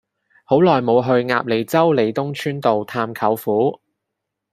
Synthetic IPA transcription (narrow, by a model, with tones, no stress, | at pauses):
ho˨˥wlɔː˨jmo˨˧wɦɵ˧ɥŋa̰ː˧p̚le˨˩jt͡sɐ˥wle˨˩jt̪ʊ˥ŋt͡ʃʰyː˥nt̪o˨wt̪ʰaː˧mkʰɐ˨˥wfuː˨˥